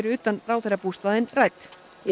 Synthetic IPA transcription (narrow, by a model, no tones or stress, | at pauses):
ɾʏʏːt̪anraːwθɛɾapust̪aðɪnraːjt̪